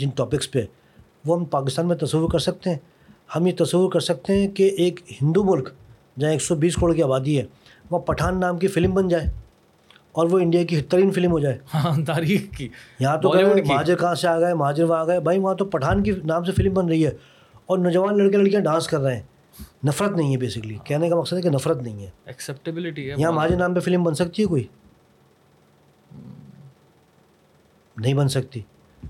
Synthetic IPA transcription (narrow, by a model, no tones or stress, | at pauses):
d͡ʒɪnʈɔːpɪkspeɛ | ʋoɦɐmpaːkɪst̪aːnmẽt̪ɐsəʋːʊɾkɐɾsɐk̚t̪ẽɦɛ̃ | hɐmjet̪ɐsəʋːʊɾkɐɾsɐk̚t̪eɦɛ̃keʔeːkɦɪ̃nd̪umʊlk | d͡ʒɐãeːksɔbiːskɾoːɽkiaːbaːd̪iɦɛ̃ | ʋɐ̃pɐʈʰaːnːaːmkifɪlmbɐnd͡ʒaːeː | ɔːɾʋoɪ̃ɳɖijak̬iɦɪt̪ːəɾiːnfɪlmɦod͡ʒaːeːhãt̪aːɾiːxkiːjɐɦãt̪̬okɐɾmɐɦaːd͡ʒɪɾkɐɦãseaːɡɐamɐɦaːd͡ʒɪɾʋaːɡɐbʱaːiʋɐɦãt̪̬opɐʈʰaːnkinaːmsefɪlmbɐnɾɐɦiɦɛː | ɔːɾnɔːd͡ʒəʋaːnlɐɽkelɐɽkijãɖãːnskɐɾːɐɦeɛ̃ː | nɐfɾət̪nɐɦĩɦɛbeːsɪkəlikɛɦnekamɐqsəd̪ɦɛkenɐfɾət̪nɐɦĩɦɛːɛksɛp̚ʈɪbɪlɪʈijɐɦãmɐɦaːd͡ʒɪɾnãːmpefɪlmbɐnsɐk̚t̪iɦɛkoːiː | nɐɦĩbɐnsɐk̚t̪iː